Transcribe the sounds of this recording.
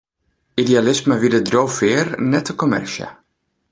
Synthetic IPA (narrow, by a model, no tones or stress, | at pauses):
idealɪsməʋidədrowfɪːrnɛtəkomɛ̰rʃja̰